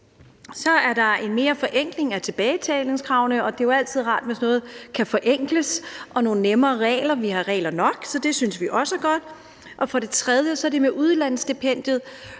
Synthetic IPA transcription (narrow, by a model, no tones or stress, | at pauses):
sɒ̽æɐd̥ɑ̈e̝nme̝ːɐfɒ̽ʔeŋ̰ɡ̥le̝ŋæt͡sʰe̝b̥ɛːɪt͡sʰɛːle̝ŋskʰʁɑ̈ʊnəɒ̽d̥e̝oæl̰t͡sʰið̞̰ˠʁɑ̰̈ːd̥ʋe̝snɔ̽ːð̞̩ˠkʰæfɒ̽ʔeŋ̰ɡ̥ləsʔɒ̽no̝ːnnemɐːʁɛ̰ːlɐʋihɑ̈ʁɛ̰ːlɐnɒ̽ɡ̥sɒ̽d̥e̝synsʋiʔɒ̽səɡ̥ɒ̽d̥ | ʔɒ̽fɒ̽ɾ̥e̝t͡sʰʁɛð̞ˠjəsɒ̽æɐd̥e̝meʔuð̞ˠlæn̰sd̥epʰen̰d̥jð̩ˠ